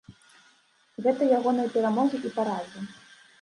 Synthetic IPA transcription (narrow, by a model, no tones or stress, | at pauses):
ɣɛt̪ɐjaɣɔnɨjɐpʲɛɾamɔɣɨʔipaɾazʲi